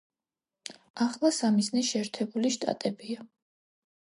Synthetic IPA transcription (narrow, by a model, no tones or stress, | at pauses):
aχlˠasamiznɛʃɛːɾt̪ʰɛbuliʃt̪ʼa̰t̪ʼɛbia